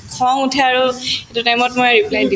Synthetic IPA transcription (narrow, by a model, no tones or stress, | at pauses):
kʰɔŋutʰɛaɹuetutajmɔtmojɹiplajdi